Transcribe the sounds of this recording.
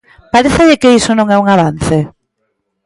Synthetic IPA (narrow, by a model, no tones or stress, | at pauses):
paɾeθaʎɪkeisonõŋɛuŋaβ̞anθe